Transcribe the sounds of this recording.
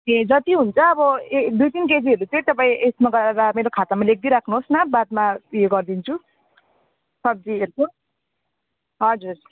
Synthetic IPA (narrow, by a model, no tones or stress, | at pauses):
ẽd͡zʌt̪iɦunt͡sʰʌːbʌed̪ujt̪inked͡ziɦʌɾut͡sʌĩt̪ʌpaĩʔesmaɡʌɾadameɾokʰat̪amalek̚d̪iɾakʰnuɦosnʌbad̪̚majoɡʌrd̪int͡sʰu | sʌb̚d͡zieɾko | ɦʌd͡zur